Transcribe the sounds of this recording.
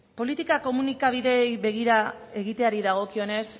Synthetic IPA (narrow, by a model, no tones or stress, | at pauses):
po̞lit̪ikako̞munikaβ̞iðe̞jβe̞ɣ̞iɾa | e̞ɣit̪e̞aɾiðaɣ̞o̞kio̞ne̞s